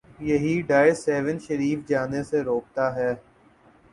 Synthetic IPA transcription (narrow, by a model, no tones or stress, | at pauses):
jɐɦiɖaːesɛːʋənʃəɾiːfd͡ʒaːneseɾoːk̚t̪aɦɛː